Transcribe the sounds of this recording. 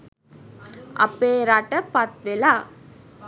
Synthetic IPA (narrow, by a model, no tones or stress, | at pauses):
ɐ̰pːeːɾaʈːɐpɐɾt̪ʋelaː